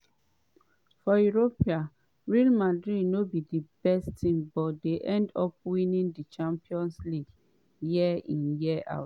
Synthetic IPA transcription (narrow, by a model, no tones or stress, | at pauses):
fɔjuɹopia | ɹilmadɹidnobidibɛstĩmbɔtdeʔɛ̃ndɔp̚winĩndit͡ʃãmpiɔ̃nsliɡ | jiɛĩnjiɛʔa̰ʊt